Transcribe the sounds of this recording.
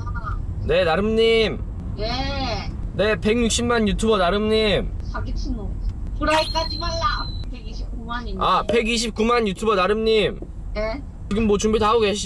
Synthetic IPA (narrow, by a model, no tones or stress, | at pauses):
ne̞naɾɯmɲim | ne | ne̞pe̞ŋɲuk̚ɕ͈ʰimmaɲjutʰubʌnaɾɯmɲimakesʰnopuɾaik͈ad͡ʑimaɭːapeɡiɕʰip̚kumaape̞ɡiɕ̬ʰip̚k͈umaɲjutʰubʌnaɾɯmɲim | ne | t͡ɕiɡɯmːot͡ɕuŋbidɦhaɡoɡei